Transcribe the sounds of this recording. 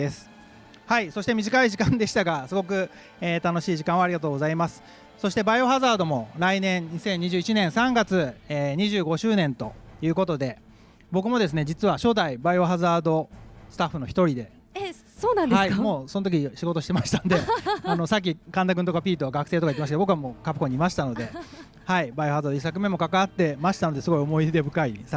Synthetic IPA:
d̪e̞sɨ̥ | haiso̞ɕit̪e̞mʲiʑikaiʑikãnd̪e̞ɕi̥t̪aɡasɨɡo̞k̬ɯ̟ | eːt̪ano̞ɕiːʑikãɰ̃βaːɾʲiɡat̪oːɡo̞zaimasɨ̥ | so̞ɕi̥t̪e̞baio̞ɦazaːd̪o̞mo̞ɾainẽ̞ɲɲisẽ̞ɲ̟ːiʑɨːit͡ɕinẽ̞ɰ̃sãŋɡat͡sɨeːɲ̟iʑɨːɡo̞ɕɨːnẽ̞nt̪o̞̰jɯ̟ːko̞t̪o̞d̪e̞ | bo̞kɯ̟mo̞d̪e̞s̬ɨne̞d͡ʑit͡sɨβaɕo̞ːd̪aibaioɦazaːd̪o̞sɨ̥t̪aɸːɯnoçi̥t̪o̞ɾʲid̪e̞ | soːnãnd̪haimoːso̞not̪ok̬ʲiɕiɡo̞t̪oɕi̥temaɕi̥t̪and̪e̞ano̞sak̬ʲːikãnd̪aɡɯ̟nt̪o̞kapʲiːt̪o̞aɡakɯ̟̥e̞ːt̪okait̪ːemas̬kebokɯβamoːkapɯ̟kõ̞ɲ̟imaɕi̥t̪ano̞d̪e̞ | haibaio̞hazaːd̪oisak̬ɯ̟mẽ̞mːo̞kakaβat̪ːe̞maɕi̥t̪ano̞d̪esɨɡo̞io̞mo̞id̪e̞bɯ̟kais

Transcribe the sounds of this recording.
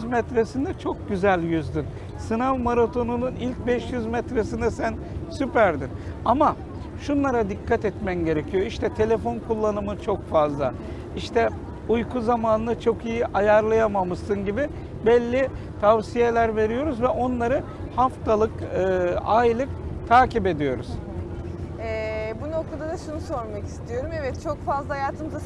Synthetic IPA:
zmɛt̪ɾesind̪ɛt͡ʃʰo̞k̚ɟyzælʲjyzd̪yn | sɯnavmaɾat̪ʰo̞nununilʲc̚bɛʃjyzmɛt̪ɾesind̪ɛsæn | sypæɾd̪inama | ʃunlˠaɾad̪ikʰːat̪ɛt̪mænɟe̞ɾecʰijo̞iʃt̪ʰɛt̪ʰe̞lʲe̞fo̞nkʰulˠːanɯmɯt͡ʃʰo̞kfazlˠa̰ | iʃt̪ʰɛ | ujkʰuzamaːnɯnɯt͡ʃʰo̞kijiʔajaɾlˠajamamɯsɯnɟibɪ | bɛlʲːi | t̪ʰavsije̞lʲæɾve̞ɾijo̞ɾuzvɛʔo̞nlˠaɾɯ | haft̪ʰalˠɯkɯːajlˠɯk̚t̪ʰaːcʰipe̞d̪ijo̞ɾṵz̥ | ɛbuno̞kt̪ʰad̪ad̪aʃunuso̞ɾmaki̥st̪ʰijo̞ɾumevɛt̪̚t͡ʃʰo̞kfazlˠahajaːt̪ʰɯmɯza

